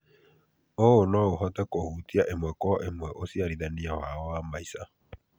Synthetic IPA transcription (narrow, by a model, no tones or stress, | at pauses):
oonɔoɦɔt̪ɛkohutiaʔemwɛkɔʔemwɛʔosiaɾiðaniawaɔamaisa